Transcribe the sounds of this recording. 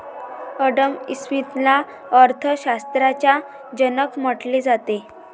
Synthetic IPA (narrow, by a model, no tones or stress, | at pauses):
əɖəmismit̪la | əɾt̪ʰəɕast̪ɾat͡ɕja | d͡ʑənəkməʈled͡zat̪e